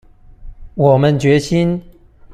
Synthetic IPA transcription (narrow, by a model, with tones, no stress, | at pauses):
wɔ˨˩mə˦nt͡ɕɥɛ˧˥ɕi˥n